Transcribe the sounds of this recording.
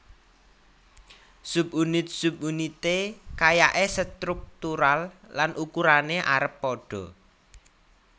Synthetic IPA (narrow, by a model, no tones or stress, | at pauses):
sub̚unɪt̪̚sub̚unit̪ekajaʔesət̪ɾuk̚t̪uɾallanʔukuɾaneʔaɾəpːɔɖ̥ɔ̤